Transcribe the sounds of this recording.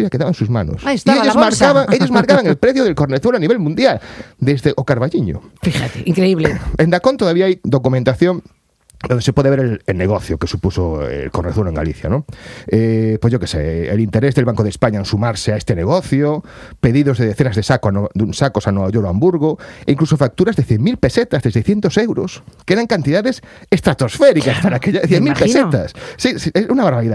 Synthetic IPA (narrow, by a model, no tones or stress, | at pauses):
akeðaβansuzmano̰ssieʎozmaɾkaβaŋeʎozmaɾkaβaŋelpɾeθjoðelkoɾneθweloaniβelmũnd̪jald̪ezðeʔokaɾβaʎiɲo̰fixat̪eiŋkɾeiβleẽnd̪akont̪oðaβiaajd̪okumẽnt̪aθjõŋ | d̪õnd̪esepweðeβeɾelelneɣoθjokesupusoḛlkoɾneθweoeŋɡa̰liθja̰nõepojzʝowkesḛelint̪eɾezðelβaŋkoð̞espaɲaensumaɾseaest̪eneɣoθjo | peðiðozðeðeθenazðesakoanod̪unsakosanoaʎoɾoambuɾɣoeiŋklusofak̚t̪uɾazðeθjeŋmilpeset̪azðesejsθjent̪osewɾoskeeɾaŋkant̪iðaðesest̪ɾat̪osfeɾikaspaɾakeʎaθjemipesset̪assisesunaβaɾβaɾiða